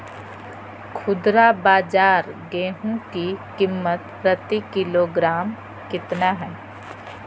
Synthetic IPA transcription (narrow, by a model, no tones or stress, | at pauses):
kʰʊd̪ɾabaːd͡ʒaːɾɡeːɦũkikɪmːət̪ | ɾət̪ikɪloːɡɾaːm | kɪt̪naɦɛː